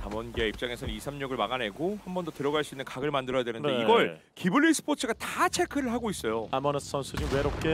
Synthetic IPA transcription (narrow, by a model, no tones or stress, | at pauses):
tamʌnɡieip̚t͡ɕ͈aŋe̞sʰʌnisʰamɲuɡɯɭmaɡanɦe̞ɡohambʌndʌtɯɾʌɡaɭs͈uinːɯnkaɡɯɭmandɯɾʌjadwe̞nɯnddeiɡʌɭ | kibɯɭːisʰɯ̥pʰot͡ɕʰɯɡatat͡ɕʰe̞kʰɯɾɯɭɦaɡois͈ʌjoamʌnɯs͈ʌnsʰud͡ʑiwe̞ɾop̚k͈e